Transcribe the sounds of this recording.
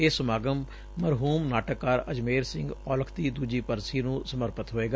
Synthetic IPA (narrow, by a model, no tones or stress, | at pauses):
eːsʊmaːɡəmː | əɾɦuːmnaːʈəkːaːɾəd͡ʒmeːɾsɪ̃ŋɡɔːləkʰd̪iːd̪uːd͡ʒiːpəɾsiːnũːsəməɾpət̪ɦoːeːɡaː